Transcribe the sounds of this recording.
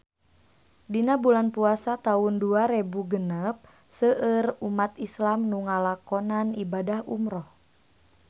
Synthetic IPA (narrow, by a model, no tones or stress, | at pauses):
dinabulanpuasat̪aunduaɾebuɡənəp̚ | səʔərumat̪islamnuŋalakɔnanibadahṵmɾɔh